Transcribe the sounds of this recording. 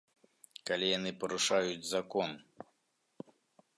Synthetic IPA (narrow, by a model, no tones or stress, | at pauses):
kalʲijanɨpɐɾuʂajud͡zʲzakɔn